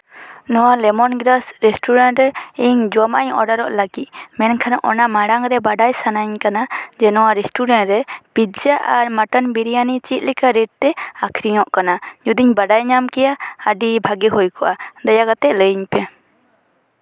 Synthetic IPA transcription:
nɔwalɛmɔnɡɾasɾɛsʈuɾanʈɾɛiɲd͡ʒɔma̰ɲɔ̰ɖaɾɔʔlaɡit̪̚mɛnkʰanaʔɔnamaɽaŋɾɛbaɖajsanaɲkanad͡ʒɛnɔwaɾɛsʈuɾɛnʈɾɛpid͡ʒaʔaɾmaʈɔnbiɾijanit͡ʃit̪̚ˀlikaɾɛɖ̚t̪ɛakʰɾiɲɔʔkanad͡ʒud̪iɲbaɖajɲamkɛjaəɖibʱaɡiɦujkɔʔad̪ajaɡat̪ɛʔləjɲpɛ

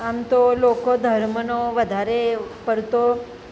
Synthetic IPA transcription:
amt̪olokod̪ʱəɾmənoʋəd̪ʱaɾepəɾt̪o

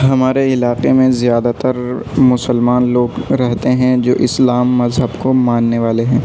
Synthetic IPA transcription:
ɦɐmaːɾeɪlaːqemẽzjaːd̪at̪əɾmʊsəlmaːnloːɡɾɛɦt̪eɦɛ̃d͡ʒo̰ːʔɪslaːmːɐzɦəbkomãːnːeʋaːleɦɛ̃ː

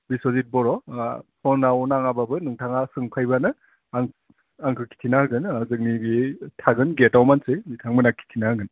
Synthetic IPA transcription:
bisɔzit̚bɔɾɔpʰɔnawnaŋababɯnɯŋtʰaŋasɯŋpʰajbanɯ | aŋ | aŋkʰɯkʰi̥tʰinahɯɡɯnzɯk̚niɡitʰaɡɯnɡetawmansɯjmitʰaŋmɯnakʰːi̥tʰinaɯɡɯn

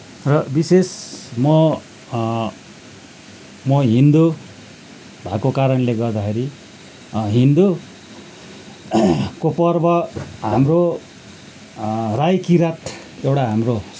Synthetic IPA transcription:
rʌbisesmʌ | mʌɦind̪u | bʱakokaɾʌnleɡʌrd̪akʰeɾi | ɦind̪u | kopʌrbʌɦamro | rajkiɾat̪ | ewʈaɦamro

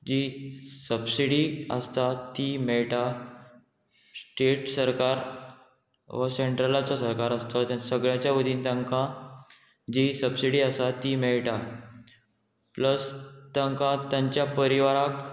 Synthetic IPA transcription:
d͡ʑisəbsiɽiə̰st̪at̪imeɭʈa | sʈeʈsəɾkaɾ | ʋəseɳʈɾəlat͡sɔsəɾkaɾəst̪ɔt̪ãsəɡɭjãt͡ɕjaʋəd̪ʱiːnt̪jãŋkã | d͡ʑisəbsiɽiːəsat̪imeɭʈa | pləst̪ãŋkãt̪jãɲt͡ɕjapəɾiʋaɾak

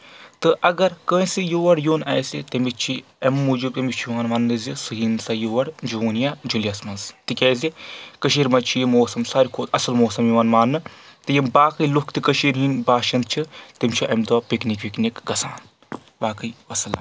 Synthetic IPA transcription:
t̪ɨʔɐɡɐɾkə̃ːsijoːʋɐɽjoːnɛːjsit̪ɐmit̪t͡ʃʰi | ɐmːud͡ʒub̚t̪ɐmit͡ʃʰjuwaːnmaːnːɨzisɨɦinsɐjoːʋɐɽd͡ʒoːnjaːd͡ʒulijɐsmɐnzt̪ikʲɐːzikɐʃiːɾmɐt͡ʃʰijimoːsɐmsaːɾʲikʰoːt̪ɐsɐlmoːsɐmjuʋaːnmaːnːɨt̪ɨjɐmbaːkɨjlukʰt̪ikəʃiːɾɦinʲbaːʃɐnd̪̚t͡ʃʰit̪imt͡ʃʰiʔɐmd̪apiknikʋʲiknikɡɐsa̰ːn | baːkɨjʋɐsɐla̰

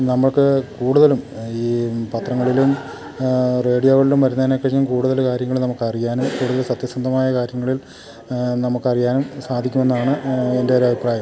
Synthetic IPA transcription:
nɐmːɐɭkɨkuːɽuðɐlumiːpɐt̪rɐŋːɐɭilum | re̞ːɽijo̞ːɣɐɭilumʋɐɾunːɐanekːɐɲːumkuːɽuðɐlkaːɾjɐŋːɐɭlnɐmukːɐrijaːnumkuːɽuðɐlsɐt̪jɐsɐnd̪ʱɐmaːjɐkaːɾjɐŋːɐɭil | nɐmukːɐrijaːnumsaːd̪ʱikʲːume̞nːaːɳɨe̞nde̞oɾɐbʱipraːjɐm

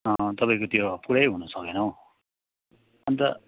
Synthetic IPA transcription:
ʌt̪ʌpaĩkot̪jopuɾʌjɦunʌsʌkenʌw̃ | ʌnt̪ʌ

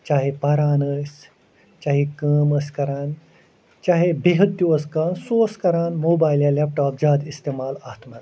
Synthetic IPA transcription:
t͡ʃaːɦepɐɾaːnəs | t͡ʃaːɦikəːmɐskɐɾaːn | t͡ʃaːɦebeɦɐt̪juɐskaːnsoəskɐɾaːnmoːbaːjljalɛp̚ʈaːp̚d͡ʒaːd̪ist̪eːmaːlaːt̪ʰma

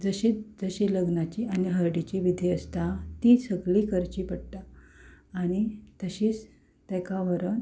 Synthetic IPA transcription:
d͡zəɕit͡sd͡zəɕiləɡnat͡ɕianiɦəɾɖit͡ɕiʋid̪ʱiəst̪at̪isəɡliːkʰəɾt͡ɕiːpəɽt̪aː | ɽ̃it̪əɕiːt͡s | t̪ɛ̃kaʋəɾən

